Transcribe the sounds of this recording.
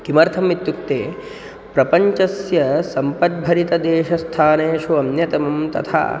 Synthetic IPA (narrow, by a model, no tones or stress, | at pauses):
kimɐɾt̪ʰɐmit̪juk̚t̪eː | pɾɐpɐɲt͡ʃɐsjɐsɐmpɐt̪̚bʱɐɾit̪ɐd̪eːʃɐst̪ʰaːneːʃuɐnjɐt̪ɐmɐmt̪ɐ̰t̪ʰa̰ː